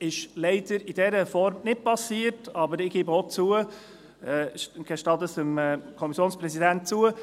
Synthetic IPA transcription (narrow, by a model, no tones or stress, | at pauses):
ɪʃlɛɪd̥əɾid̥ɛɾəfɔɾmnɪt̚pɑsiːəɾtɑbəɾɪɡ̥ibəot͡suə | ɛɡ̥ɛʃtɑdəsəmɛkʰɔmisjoːnspɾɛsidænt̚t͡suə